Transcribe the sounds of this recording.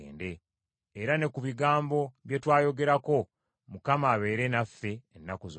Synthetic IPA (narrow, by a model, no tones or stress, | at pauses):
ḛːnde̞ː | ɾane̞kuβiɡaːmbo̞βjetwaːjo̞ɡe̞ɾako̞ | mukamaːβe̞ːɾe̞nafːe̞ːnːakuz